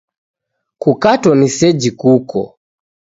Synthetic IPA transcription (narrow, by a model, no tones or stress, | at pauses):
kukatɔnisɛd͡ʒikukɔ̰